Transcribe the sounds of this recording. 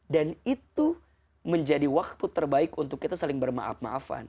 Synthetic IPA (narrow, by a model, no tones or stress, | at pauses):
danit̪u | məɲd͡ʒadiwak̚t̪ut̪ərbaɪkunt̪ʊkːit̪asalɪŋbərma̰ʔa̰pma̰ʔafa̰n